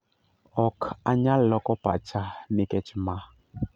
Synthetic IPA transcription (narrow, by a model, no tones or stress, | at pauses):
ɔkaɲalɔkɔpa̰t͡ʃanikɛt͡ʃima